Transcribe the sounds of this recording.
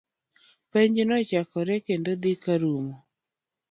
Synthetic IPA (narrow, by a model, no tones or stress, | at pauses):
pɛɲd͡ʒnɔt͡ʃakɔɾɛkendod̪ikaɾumo